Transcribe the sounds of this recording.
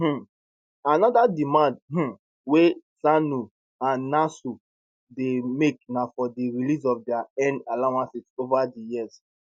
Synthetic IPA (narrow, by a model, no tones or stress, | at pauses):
h̩ | anɔdadimãndh̩ | wesanu | ãnːasu | demeknafɔdiɹilis̬ɔfdɛaɛ̃nalawãnsisovadijiz